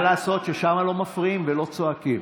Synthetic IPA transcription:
laːso̞t̪ʃeʃamalo̞mafʁiimvelo̞t͡soakim

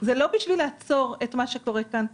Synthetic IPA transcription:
zelo̞biʃvileːt͡so̞ʁetmaʃeko̞ʁekan

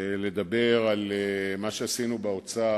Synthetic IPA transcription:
le̞d̪abe̞ʁalmaʃeasinubaot͡sa

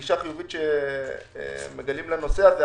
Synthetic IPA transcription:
iʃaχijuvitʃḛ | meɡalimleno̞seave

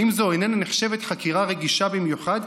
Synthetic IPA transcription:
imzoojnenneχʃe̞vet̪χakiʁaʁeɡiʃabimjuχad̪

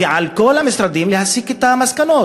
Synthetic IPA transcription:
ealkolamest̪ɾad̪imlehasiket̪amaskano

